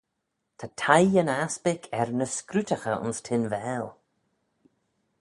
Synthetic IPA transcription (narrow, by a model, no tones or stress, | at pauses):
t̪ʰatʰajənaspɪkʰɛɾnəskɾutəxəʊ̰nstʰɪnvɛːl